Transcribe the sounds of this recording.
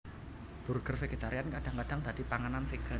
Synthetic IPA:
b̥ṳrɡ̥ərfeɡ̥e̤t̪aɾijankad̥aŋkad̥a̤ŋd̪ad̥̪ipaŋananfeɡ̥ə

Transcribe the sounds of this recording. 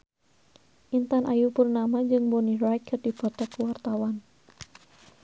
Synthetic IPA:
ʔint̪anʔajupurnamaɲd͡ʒɨŋbonirajkːərd̥i̤b̥o̤t̪akːuwart̪awan

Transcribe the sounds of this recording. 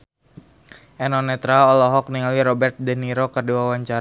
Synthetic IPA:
ʔɛnɔnɛt̪ɾaɔlɔɦɔk̚niŋaliɾɔbɛrt̪̚dɛniɾokərduawaɲt͡ʃaɾ

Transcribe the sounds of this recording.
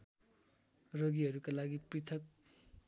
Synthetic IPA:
rʌɡiɦʌɾukalaɡiprit̪ʰʌk

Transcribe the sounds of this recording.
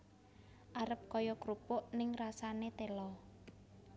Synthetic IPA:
ʔaɾəp̚kɔjɔkɾupʊʔnɪŋrasanet̪elɔ

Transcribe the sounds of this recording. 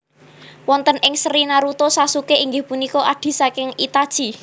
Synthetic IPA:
wɔnt̪ənʔɪŋsəɾinaɾut̪osasukeʔiŋɡɪhpunikɔʔad̪̥i̤sakɪŋit̪ad̥ʒ̥i̤

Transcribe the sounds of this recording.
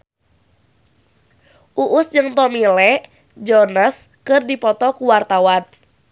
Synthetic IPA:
ʔuʔʊsd͡ʒɨŋt̪ɔmilɛʔ | d͡ʒɔrnas | kɨrdipɔt̪ɔkuwart̪awan

